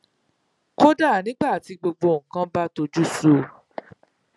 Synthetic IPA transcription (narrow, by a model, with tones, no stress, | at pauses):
ko˦da˦˨nĩ˨˦ɡ͡ba˦˨a˨ti˧ɡ͡bo˧ɡ͡bo˧˨ŋ̩˨kã˦ba˦to˧d͡ʒu˦so˧˦